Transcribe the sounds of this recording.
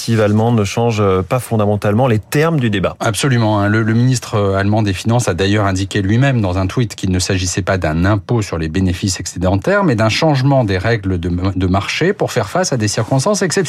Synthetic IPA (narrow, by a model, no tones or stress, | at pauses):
t̪ivalmɑ̃nəʃɑ̃ʒpafɔ̃d̪amɑ̃t̪almɑ̃let̪ɛʁmd̪yd̪eba̰apsɔlymɑ̃ɛ̃lələminist̪χəalmɑ̃d̪efinɑ̃sad̪ajœʁɛ̃d̪ikʲelɥimɛmd̪ɑ̃zɛ̃t̪wit̪kʲilnəsaʒisɛpad̪ɛ̃nɛ̃posyʁlebenefisaksed̪ɑ̃t̪ɛʁmɛd̪ɛ̃ʃɑ̃ʒmɑ̃d̪eʁɛɡləd̪əd̪əmaʁʃepuʁfɛʁfasad̪esiʁkɔ̃st̪ɑ̃seksɛt̪